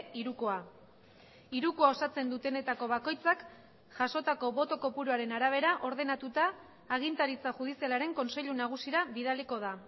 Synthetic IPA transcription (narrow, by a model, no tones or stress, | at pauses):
iɾukoa | iɾukoao̞sat͡se̞nd̪ut̪e̞ne̞t̪ako̞βako̞jt͡sak | ʝaso̞t̪ako̞βo̞t̪o̞ko̞puɾuaɾe̞naɾaβ̞e̞ɾaʔo̞ɾðe̞nat̪ut̪aː | ɣ̞int̪aɾit͡saʝuð̞isialaɾe̞ŋko̞nse̞ʎunaɣ̞usiɾaβiðaliko̞ð̞a